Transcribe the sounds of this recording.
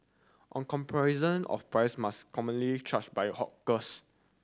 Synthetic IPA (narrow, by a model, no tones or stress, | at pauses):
ʔɔ̰̃nkɔ̃mpʰaɹizə̃nɔ̰fpɹajsmaskɔmə̃nlit͡ʃat͡ʃbajhɔkkəs